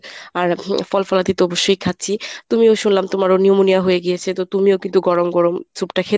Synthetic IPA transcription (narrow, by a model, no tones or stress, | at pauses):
aɾfɔlfɔlat̪it̪oɔboʃːojkʰat̪ːɕʰit̪umioʃunlamt̪omaɾoniomunijaɦojeɡijet͡ɕʰet̪ot̪umiokint̪uɡɔɹomɡɔɹomt͡ɕʰupʈakʰe